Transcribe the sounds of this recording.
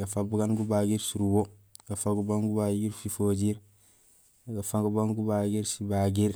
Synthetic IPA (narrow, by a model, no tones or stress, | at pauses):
ɡafabuɡanɡubaɡiɾsuɾubo | ɡ̥afaɡubaŋɡubaɡiɾfifoːd͡ʒiɾ | ɡafaɡubaŋɡubaɡiɾsibaɡiɾ